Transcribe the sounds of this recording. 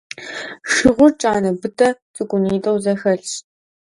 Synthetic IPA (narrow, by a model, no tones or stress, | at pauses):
ʃɨʁʷʊrt͡ʃʼaːnɐbɨtʰʼɐt͡sʼɨɡʷʼʊniːtʼɐwzɐxɐɬɕ